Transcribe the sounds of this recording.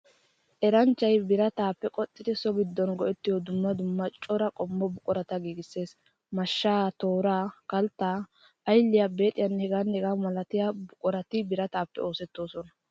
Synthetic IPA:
ʔɛɾɐnt͡ʃːɐjbɪɾɐt̪aːpːɛkʼɔt̪ʼːɪd̪ɛsɔɡɪd̪ːɔnɡɔʔɛt̪ːɪjɔd̪ʊmːɐd̪ʊmːɐt͡ʃʼɔɾɐkʼɔmːɔbʊkʼɔɾɐt̪ɐɡiːɡɪsːe̞ːs | mɐʃːaːt̪o̞ːɾaːkɐlt̪ːaː | jlːɪjabe̞ːt̪ʼɪjɐnːhɛɡanɛɡaːmɐlɐt̪ɪjabʊkʼɔɾɐt̪ɪbɪɾɐt̪aːpːɛ̰o̞ːsɛt̪ːo̞ːsɔnɐ

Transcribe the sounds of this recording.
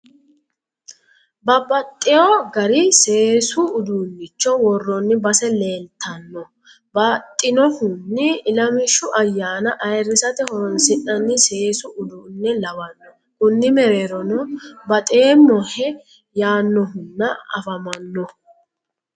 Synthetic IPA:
bɐbɐt̪ʼːɪjoɡɐɾɪse̞ːsʊːd̪ʊnːɪt͡ʃːɔwɔrːɔnːɪbɐsɛle̞ːnt̪ʰːɐnːɔ | bɐt̪ʼːɪnɔhʊnːɪːlɐmɪʃːʊʔɐjːaːnɐʔɐjrːɪsɐt̪ɛhɔnsɪʔɐnːɪse̞ːsʊʊd̪unːɛlɐwɐnːɔ | kʊnːɪmɛɾeːɾɔnɔbɐt̪ʼeːmːɔhɛ | jaːnːɔɦʊnːɐɐ̰fɐmɐnːɔ

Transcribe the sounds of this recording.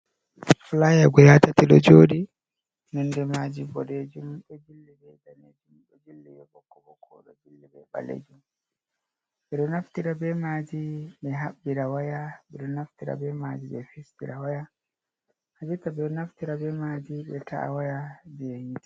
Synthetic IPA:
flajaɡɔjatatiɗɔ̰d͡ʒoːɗi | nɔndɛmad͡ʒibɔɾed͡ʒumɗɔd͡ʒilːɛbɛdaned͡ʒumɗɛd͡ʒilːɛ̰jɔbɔkːɔbɔkʰɔɗɔ̰d͡ʒilːɛbɛ̰ba̰lḛd͡ʒum | ɓɛɗɔnaftiɾabɛmaːd͡ʒiɓɛɦabːiɾawajaɓɛɗɔnaftiɾa̰bɛmad͡ʒibɛfistiɾawaja | had͡ʒutabɛnaftiɾabɛmad͡ʒibɛtʰa̰ʔa̰wajad͡ʒɛhinti̥

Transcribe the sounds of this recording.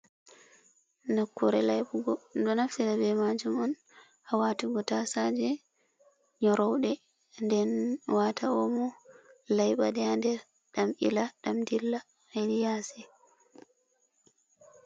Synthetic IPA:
nakːuɾɛlajɓuɡɔdɔnaftiɾabɛmad͡ʒumɔn | ʔawatuɡɔtasad͡ʒɛ | ɲɔɾɔwɗɛ | ndɛnwatʰaɔmɔlajɓa̰dɛandɛɾ | ɗamʔḭlaɗamdilːa | hedijasɛ

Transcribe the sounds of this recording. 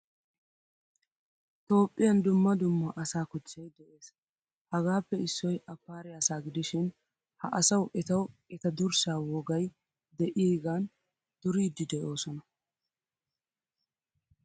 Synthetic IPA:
t̪o̞ːpʼːɪjɐnd̪ʊmːɐd̪ʊmːɐʔɐsaːkʊt͡ʃːɐjd̪ɛʔe̞ːs | hɐɡaːpːɛɪsːɔjʔɐpːaːɾɪjaːsaːɡɪd̪ɪʃɪn | hɐʔɐsɐwʔɛt̪ɐwɛt̪ɐd̪ʊɾsaːwɔɡɐj | d̪ɛʔiːɡan | d̪̥ʊɾiːd̪ːɪd̪ɛʔo̞ːsɔnɐ

